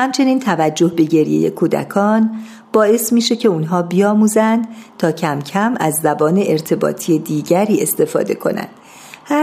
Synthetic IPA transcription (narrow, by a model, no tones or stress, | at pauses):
hæmt͡ʃʰe̞niːnt̪ʰævæd͡ʒːo̞hbe̞ɟe̞ɾjḛje̞̰kʰuːd̪æ̰kʰɒːn | b̥ɒːe̞smiːʃe̞cʰe̞unɦɒːbijɒːmuːzænd̪̥t̪ʰɒːcʰæmcʰæmæzːæbɒːne̞ʔeɾt̪ʰe̞bɒ̰ːt̪ʰijed̪iːɟæɾiːe̞st̪e̞fɒ̰ːd̪e̞̰kʰo̞̰næ̰nd̪̥ | hæ